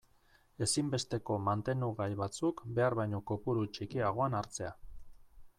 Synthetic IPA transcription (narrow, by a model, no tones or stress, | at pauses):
e̞simbe̞st̪e̞ko̞mant̪e̞nd̪uɣajβat͡sukbe̞aɾβajɲo̞kopuɾut͡ʃikiaɣ̞o̞anaɾt͡se̞a